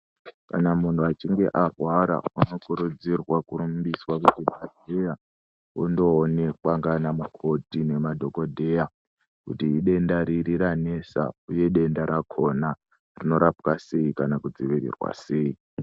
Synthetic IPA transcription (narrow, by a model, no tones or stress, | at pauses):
kanamun̤tʰuat͡ʃiŋɡe̞ʔarwaɾa̰uno̞kuɾud͡zirwakuɾumbiswakutimʱadʱeja | undo̞ːne̞kwaŋɡanamukʰo̞tine̞madʱo̞ko̞dʱe̞ja | kutiiɗe̞ndaɾiɾiɾane̞sa̰uje̞ɗe̞ndaɾakʰo̞na | rino̞ɾapwase̞ikanakud͡ziʋiɾḭrwa̰se̞ːi